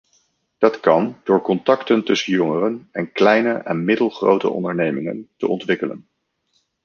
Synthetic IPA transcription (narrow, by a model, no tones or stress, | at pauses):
d̥ɑtkɑnd̥ʊːɹkɔntɑktəntɵsənjɔŋərənɛnklɛjnəʔɛnmɪdəlˠχrowtə̰ɔ̰ndəɹnejmɪŋə̰ntə̰ʔɔntʋɪkələ̰n